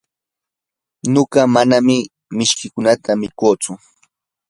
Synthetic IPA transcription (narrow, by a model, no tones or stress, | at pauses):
noɢɑmanamɪ | mɪʃkɪkʊnat̪amɪkoːt͡sʊ